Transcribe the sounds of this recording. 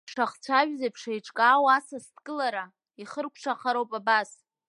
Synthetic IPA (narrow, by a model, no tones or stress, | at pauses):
ʂaχt͡sʷʰaʒᶣzapʰʂajʈ͡ʂʼkʼaːwasastʰʼkʼɨlaɾa | iχərkʷʰʂʰaχaɾowpʼabas